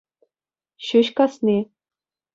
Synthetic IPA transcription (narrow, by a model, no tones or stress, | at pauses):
ɕyɕkɑsnʲi